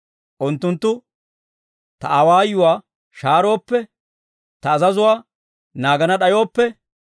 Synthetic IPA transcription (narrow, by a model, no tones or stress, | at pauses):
ʔʊnt̪ːʊnt̪ːʊ | t̪ɐɐwaːjːʊwaː | ʃaːɾo̞ːpːɛ | t̪ɐːzɐzʊwaː | naːɡɐnɐɗɐjo̞ːpːɛ